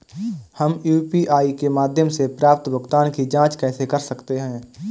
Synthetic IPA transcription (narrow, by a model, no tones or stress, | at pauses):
həmjuːpiʔaːikemaːd̪ʱjəmsepɾaːpt̪bʱəɡt̪aːnkid͡ʒãːt͡ʃkɛːsekɐɾsəkt̪eɦɛ̃ː